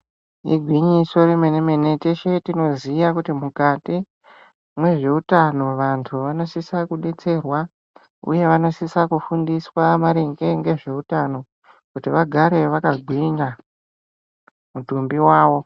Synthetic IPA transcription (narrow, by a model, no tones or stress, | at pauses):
ḭɡʱwiɲiso̞ɾemenemene̞teʃe̞tino̞zijakutimukati | mwe̞ʐe̞utano̞ʋantʰuʋano̞sisakuɗe̞t͡se̞rwa | ṵje̞ʋano̞sisakufundiswamaɾeŋɡe̞ŋɡe̞ʐe̞utano̞ | kutiʋaɡʱaɾe̞ʋakaɡʱwiɲa | mutumbiwaːʋo̞